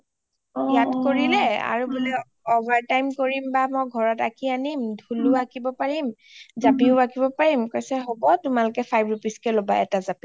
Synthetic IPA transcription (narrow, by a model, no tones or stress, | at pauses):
ijatkoɹilɛa̰ɹubulɛ | ɔbʱaɹtajmkoɹimbamɔjɡʱɔɹɔtakianimdʱulʊakibɔpaɹim | zapiʊakibɔpaɹimkojsɛɦobɔtʊmalʊkɛpʰajbɹupiskɛlobaɛ̰tazapi